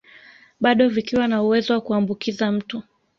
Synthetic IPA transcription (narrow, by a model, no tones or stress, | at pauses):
ɓaɗɔvikiwanauwɛzɔwakuambukizam̩tu